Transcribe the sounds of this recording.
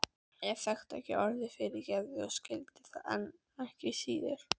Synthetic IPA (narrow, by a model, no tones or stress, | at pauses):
jɛɣθɛxt̪ɛ̰hcɪ̰ʔɔɾðɪfɪɾɪcɛvðɪɔɣscɪlt̪ɪ̥θaɛ̰n | ɛhcɪsiːðɪ̰ɾ̥